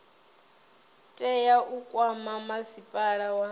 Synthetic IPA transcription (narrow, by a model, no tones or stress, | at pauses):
tʼɛjaʔukʼwamamasipʼaɺawa